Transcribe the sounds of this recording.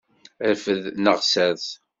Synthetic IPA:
æfəðnəʁsæθ

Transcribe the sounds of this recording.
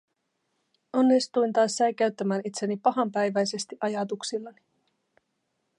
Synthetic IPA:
o̞nːist̪ujnt̪ɑːsːɑjkæɥt̪ːæmæːnit̪senipɑɦɑmpæjʋæjse̞st̪iʔɑjɑt̪uksilːɑni

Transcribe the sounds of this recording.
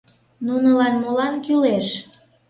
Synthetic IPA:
nunəlɑnmulɑnkyleʃ

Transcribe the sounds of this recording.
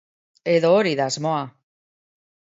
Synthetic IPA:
eðoːɾiðazmoa

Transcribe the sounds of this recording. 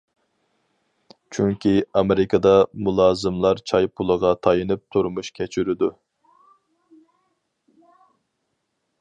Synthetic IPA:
t͡ʃʰyŋkʲʰiɑmeɾɪkʰɑd̪ɑmulˠɑːzɨmlˠɑɾt͡ʃʰɑjpʰulˠəʁɑt̪ʰɑjɨnɨp̚t̪ʰuɾmuʃkʲʰɛt͡ʃʰyɾɪd̪u

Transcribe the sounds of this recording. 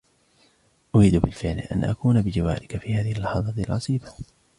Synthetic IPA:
ʔʊɾiːd̪bɪlfɪʕlʔa̰nʔa̰kuːnabɪd͡ʒawa̰ːɾʔɪkafiːhaːðɪhɪlːɑħɑðˤɑːt̪lʕʔɑsˤiːba

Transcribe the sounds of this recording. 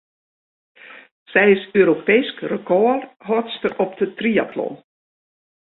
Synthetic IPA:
sɛjɪsøːɾopejskrəkʰɔərɦɔtstərɔp̚dətria̰tʰlɔ̰n

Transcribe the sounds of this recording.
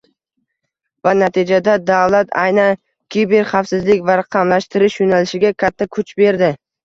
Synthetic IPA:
vanat̪ʰid͡ʒad̪ad̪avlat̪ʰajnan | kʲʰibeɾχafsɪzlɪkʲvaɾɑqʰɑmlaʃt̪ɪɾɪʃjonalɪʃɪɡʲakʲʰat̪ʰːakʰʊt͡ʃbe̞ɾd̪ɪ

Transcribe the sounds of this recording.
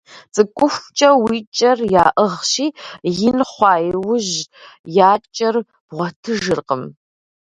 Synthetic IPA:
t͡sʼɨkʷʼʊxʷt͡ʃʼɐwiːt͡ʃʼɐrjaːʔəʁʃiːjɪnχʷɑːjwʊʒjaːt͡ʃʼɐr | b̥ʁʷɔtʰɨʒɨrqəm

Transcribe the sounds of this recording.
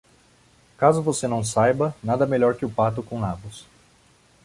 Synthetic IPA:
kazʊvosenɐ̃w̃sajbɐnad̪ɐmeʎɔɾkɪʊpat̪ʊkõlavʊs

